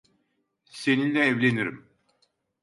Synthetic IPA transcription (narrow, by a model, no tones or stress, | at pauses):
se̞ninlʲɛːvlʲe̞niɾḭm